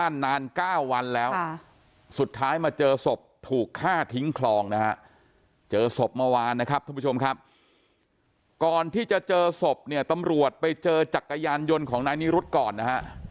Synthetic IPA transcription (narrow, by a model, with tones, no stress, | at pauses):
a˥˩nːaː˧nkaː˥˩wːa˧nlɛː˦˥w | su˨˩t̪ʰːaː˦˥jmaː˧t͡ɕɤː˧so˨˩p̚t̪ʰuː˨˩kʰːaː˥˩t̪ʰi˦˥ŋkʰlɔː˧ŋna˦˥kʰa̰˦˥ʔ | t͡ɕɤː˧so˨˩p̚ma˧waː˧nːa˦˥kʰa˦˥p̪̚ʰːpʰːt͡ɕʰo˧m˥kʰa˦˥p̚ | kɔː˨˩nt̪ʰiː˥˩t͡ɕa˨˩t͡ɕɤː˧so˨˩p̚ni˥˩ɐt̪a˧mɾu˨˩ət̪̚pa˧jt͡ɕɤː˧t͡ɕa˨˩kːa˧jaː˧njo˧nkʰɔː˩˦ŋnaː˧jni˦˥ɾu˦˥t̪̚kɔː˨˩nːa˦˥ha˦˥ʔ